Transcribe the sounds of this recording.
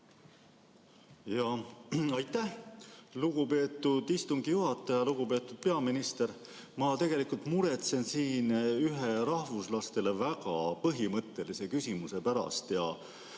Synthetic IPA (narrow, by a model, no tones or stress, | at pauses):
jɑɑjt̪ːˑæhluɡ̥upe̞ːt̪ːˑud̪ist̪uŋɡijuɦɑt̪ːˑɑjɑluɡ̥upe̞ːt̪ːˑud̪̥̚pe̞ɑminist̪e̞ɾ | mɑt̪e̞ɡ̥e̞likult̪muɾe̞t̪se̞nsiːnyɦeɾɑhvuslɑst̪e̞le̞vækɑpɤɦimɤt̪ˑːe̞lise̞kysʲimuse̞pæɾɑ̰st̪jɑ̰